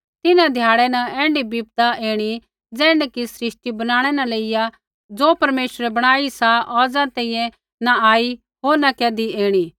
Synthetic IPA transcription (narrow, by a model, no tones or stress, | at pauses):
t̪ɪnãd̪ʱjaːɽɛnɐɛ̃ːɳɖibiːp̚t̪aʔeːɽ̃i | d͡zɛ̃ːɳɖkisɾɪʃʈibɐnaːɽ̃ɛnɐleːɪja | d͡zoːpɐɾmeːʃɾɛbɐɽ̃aːisaʔɔːd͡zãt̪ɛ̃ːĩjɛ̃ | nɐaːi | ɦoːɾnɐkɛːd̪ieːɽ̃i